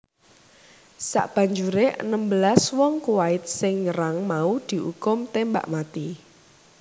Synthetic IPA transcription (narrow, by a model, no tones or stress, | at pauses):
sa̰ʔb̥a̤ɲd͡ʒuɾeʔə̰nəmbəlaswɔŋkuwaɪt̪̚sɪŋɲəɾaŋmaud̪̥i̤ʔṵkʊmt̪emba̰ʔmat̪i